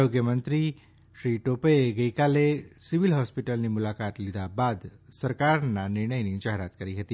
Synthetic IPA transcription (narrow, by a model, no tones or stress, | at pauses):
ɾoɡjəmənt̪ɾi | ʃɾiʈopəeɡəjkalesiʋilɦɔspiʈəlnimulakat̪lid̪abad̪səɾkaɾnanɪɾɳəjnid͡ʒaɦeɾat̪kəɾiɦət̪i